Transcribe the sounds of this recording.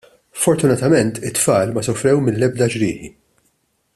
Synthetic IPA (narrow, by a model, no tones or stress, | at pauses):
fɔɾt̪ʊnɐt̪ɐmɛnt̪ɪt̪ːfɐːlmɐsɔfɾɛwmɪnlɛb̚d̪ɐd͡ʒɾɪːħi